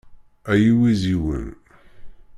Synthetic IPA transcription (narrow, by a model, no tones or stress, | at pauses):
æjiwiziwə̰n